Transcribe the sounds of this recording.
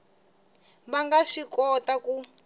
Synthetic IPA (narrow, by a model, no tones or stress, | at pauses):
βaŋɡaʃikɔtaku